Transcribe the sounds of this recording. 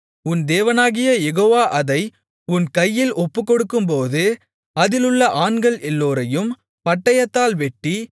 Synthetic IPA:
ʊnd̪eːʋɐnaːɣɪjɐjɛɣoːʋaːʔɐðɐɪ | ʊnkɐjːɪlʔɔpːɯkːɔɽɯkːɯmpoːðɯ | ɐðɪlɯɭːɐʔaːɳɡɐɭʔɛlːoːɾɐjɯm | pɐʈːɐjɐt̪ːaːlʋɛʈːi

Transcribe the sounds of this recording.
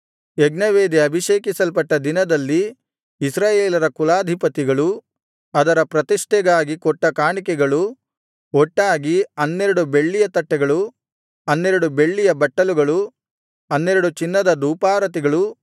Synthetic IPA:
eɡnɐʋeːd̪iɐbʱiʃeːkisɐlpɐʈːɐd̪inɐd̪ɐlːiː | sɾaːjeːlɐɾɐkulaːd̪ʱipɐt̪iɡɐɭu | ɐd̪ɐɾɐpɾɐt̪iʂʈɛɡaːɡikɔʈːɐkaːɳikɛɡɐɭu | ɔʈːaːɡiɐnːeɾɐɽube̞ɭːijɐt̪ɐʈːɛɡɐɭu | ɐnːeɾɐɽube̞ɭːijɐbɐʈːɐluɡɐɭu | ɐnːeɾɐɽut͡ʃinːɐd̪ɐd̪uːpaːɾɐt̪̬iɡɐɭu

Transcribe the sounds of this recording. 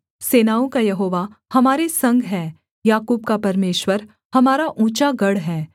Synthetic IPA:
seːnaːõkajɐɦoːʋahɐmaːɾesɐ̃ŋɡɦɛː | jaːkuːb̚kapɐɾmeːʃwəɾ | hɐmaːɾaʔuːt͡ʃaɡɐɽɦɛː

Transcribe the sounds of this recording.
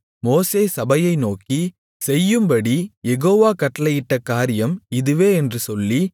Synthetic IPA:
moːseːsɐbɐjɐɪnoːki | sɛjːɯmbɐɽijɛɣoːʋaːkɐʈːɐlɐjɪʈːɐkːaːɾɪjɐmɪðɯʋeːɛndrɯsɔlːi

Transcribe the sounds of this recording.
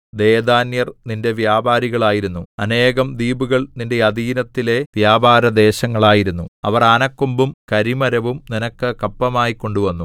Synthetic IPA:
d̪eːd̪aːnjɐrninde̞ʋjaːbaːɾiɣɐɭaːjiɾunːuɐne̞ːɣɐmd̪iːbuɣɐɭninde̞jɐd̪iːnɐt̪ːile̞d̪̥jaːbʱaːɾɐd̪e̞ːɕɐŋːɐɭaːjiɾunːuɐ̰ʋɐraːnɐkːumbumkɐɾimɐɾɐʋumninɐkːɨkɐpːɐmaːjikːo̞ɳɖuʋɐnːu

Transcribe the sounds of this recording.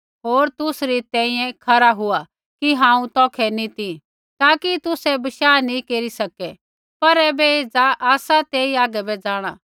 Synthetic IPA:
ɦoːɾt̪ʊsɾit̪ɛ̃ːĩjɛ̃kʰɐɾaɦʊa | kiɦãːũt̪ɔːkʰɛnĩt̪ĩ | t̪aːkit̪ʊsɛbɐʃaːnĩkeːɾisɐkɛ | pɐɾɛːbɛeːd͡zaʔaːsat̪eːiaːɡɛbɛd͡zaːɽ̃a̰ː

